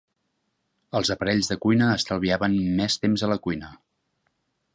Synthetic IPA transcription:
əlˠzəpəɾɛʎzðəkujnəːst̪əlˠβiaβənmɛst̪emzələkujnə

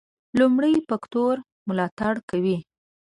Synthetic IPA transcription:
lumɽəjpakt̪oɾ | mʊlɑt̪aɽkawi

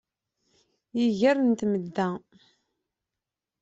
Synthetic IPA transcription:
jiʝəɾənt̪məd̪ːæ

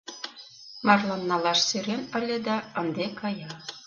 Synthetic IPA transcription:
mɑrlɑnːɑlɑʃseɾenə̆lʲed̪ɑənd̪ekɑjɑ

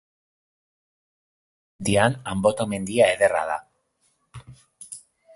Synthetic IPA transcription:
d̪ianambot̪ome̞nd̪iaeðe̞ra̰ða̰

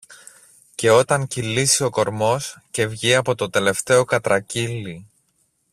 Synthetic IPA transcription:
ce̞o̞t̪ɐŋcilisio̞ko̞ɾmo̞sce̞vʝiɐpo̞t̪o̞t̪e̞le̞ft̪e̞o̞kɐt̪ɾɐcili

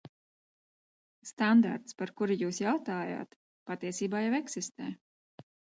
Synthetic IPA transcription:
st̪and̪a̰ɾt̪spaɾkuɾijuːsjawt̪aːja̰ːt̪ | pat̪iɛsiːbaːjavɛksist̪ɛ̰ː

